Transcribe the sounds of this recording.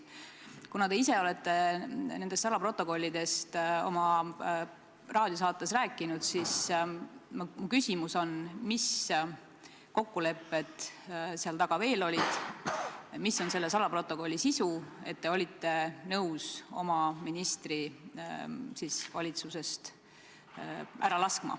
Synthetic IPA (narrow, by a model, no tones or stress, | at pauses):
kunɑd̪eiseo̞le̞t̪ːe̞ne̞nd̪est̪sɑlɑpro̞t̪ːˑo̞ko̞lʲːid̪̥e̞st̪o̞̰mɑ | rɑːd̪jos̬ɑːt̪ːˑe̞sræːkːˑinud̪̥sis | mɑmukysʲimuso̞nmis | ko̞kːule̞pːe̞t̪seɑlt̪ɑɡ̥ɑve̞ːlo̞lʲid̪̥ | misːo̞nse̞lːe̞sɑlɑpro̞t̪ːo̞ko̞lʲːisisue̞t̪̚ːe̞o̞lʲit̪ːe̞nɤwso̞̰mɑminist̪ri | sisvɑlʲit̪suse̞st̪ | ʔæɾɑlɑskmɑ̰